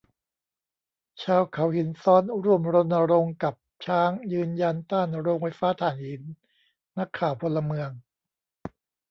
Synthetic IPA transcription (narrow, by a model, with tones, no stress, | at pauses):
t͡ɕʰaː˧wkʰa˩˦whi˨˩˦nsɔː˦˥nɾu˥˩əmɾo˧nːa˧ɾo˧ŋka˨˩p̚t͡ɕʰaː˦˥ŋjɯː˧nja˧nt̪aː˥˩nɾoː˧ŋfa˧jfaː˦˥t̪ʰaː˩˦nhi˨˩˦nː | a˦˥kʰːaː˨˩wpʰo˧lːa˧mɯ˧əŋ